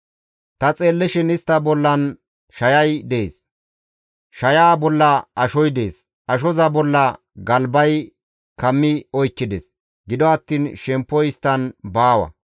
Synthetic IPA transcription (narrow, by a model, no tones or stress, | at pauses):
t̪ɐt͡sʼe̞ːlːɛʃɪnɪst̪ːɐbɔlːɐn | ʃɐjɐjd̪eːs | ʃɐjaːbɔlːɐɐʃɔjd̪eːs | ʔɐʃ̬ɔzɐbɔlːɐ | ɡɐlbɐj | kɐmːɪɔjkːɪd̪ɛs | ɡɪd̪ɔɐt̪ːiːnʃɛmpːɔjɪst̪ːɐnbaːwɐ̰